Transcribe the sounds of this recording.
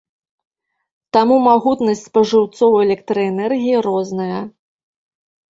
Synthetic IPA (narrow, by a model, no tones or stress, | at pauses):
t̪amumaɣut̪nɐsʲt͡sʲpɐʐɨwt̪sɔwɛlʲɛk̚t̪ɾɐɛnɛrɣʲijiɾɔznɐjɐ